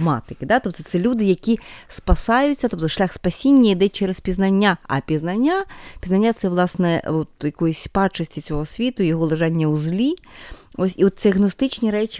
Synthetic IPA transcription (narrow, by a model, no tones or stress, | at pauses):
mɑ̰t̪ɪkɪd̪at̪ɔp̚t̪ɔt̪sɛlʲud̪ɪjɐkʲispɐsɑjʊt͡sʲːɐt̪ɔp̚t̪ɔʃlʲaxspɐsʲinʲːɐid̪ɛt͡ʃɛɾespʲiznɐnʲːaɐ̰pʲiznɐnʲːapʲiznɐnʲːat̪sɛʋlˠɑsnɛɔt̪jɐkɔjʊsʲpɑt͡ʃɔsʲtʲit͡sʲɔɦɔsʲʋʲit̪ʊjɔɦɔlˠɪʒɑnʲːɐuzlʲiosʲiɔt̪sɛɐɣnɔst̪ɪt͡ʃnʲiɾɛt͡ʃʲ